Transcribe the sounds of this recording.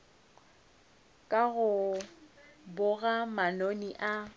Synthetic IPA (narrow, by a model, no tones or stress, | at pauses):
kʼaɣʊ | bʊɣamanoniʔa